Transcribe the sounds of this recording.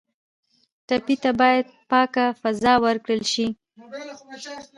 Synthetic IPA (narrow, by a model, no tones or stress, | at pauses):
t̪apit̪abɑjad̪̚pɑkafazɑwəɾkɽəlʃi